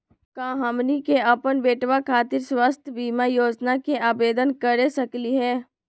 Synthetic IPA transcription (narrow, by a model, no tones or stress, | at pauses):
kãːɦɐmnikeʔɐpənbeːʈʋakʰaːt̪ɪɾswast̪ʰjəbiːmajoːd͡ʒnakeaːbeːd̪ənkəɾesɐkliɦɛː